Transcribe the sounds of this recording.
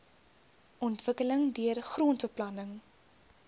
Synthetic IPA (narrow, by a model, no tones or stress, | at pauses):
ʔɔntv̥əkələŋdyərχruːntbəplɐnəŋ